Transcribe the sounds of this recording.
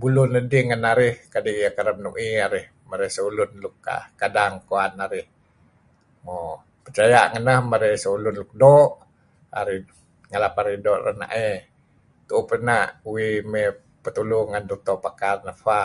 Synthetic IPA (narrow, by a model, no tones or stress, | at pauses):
bulʊnədiŋanaɾɪhkadiʔjakaɾəmnuʔiaɾɪh | məɾehsəulʊnlʊka̰kadaŋkoanaɾɪh | mo | pərt͡ʃajaʔŋənəhməɾɛhsəulʊnluk̚doʔ | a̰ɾɪh | ŋalapaɾihdoʔrə̰hna̰ʔe | t̪upənaʔuime | pət̪uluhŋand̪ut̪ɔʔpakarnəfa